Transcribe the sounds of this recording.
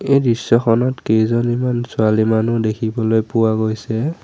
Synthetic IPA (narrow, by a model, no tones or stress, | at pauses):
ejdɹisːɔxʰɔnɔtkezɔnimansʊalimanudekʰibɔlojpʊwaɡojsɛ